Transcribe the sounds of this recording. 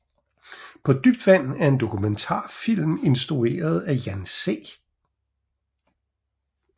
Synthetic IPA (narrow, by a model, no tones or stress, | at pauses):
pʰɒ̽d̥yb̥̚d̥ʋæn̰n̩æɐe̝nd̥o̝kʰument͡sʰɑ̰̈ːfil̰me̝nsd̥ʁue̝̰ːɐð̞̩ˠæjænse̝̰ː